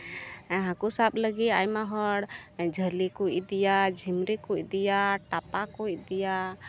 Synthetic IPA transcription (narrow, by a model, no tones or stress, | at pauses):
ɦãkusaɓləɡiajmaɦɔɽd͡ʒʱəɾlikuid̪ijad͡ʒʱimɾikuid̪ijaʈapakuid̪ija